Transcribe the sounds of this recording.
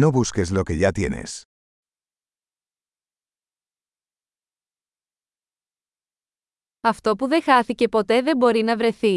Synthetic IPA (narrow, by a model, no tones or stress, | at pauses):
noβuskezlo̞ke̞ʝɐt̪jḛnḛs | ɐft̪o̞puðe̞xɐθice̞po̞t̪e̞ðe̞mbo̞ɾinɐvɾe̞θi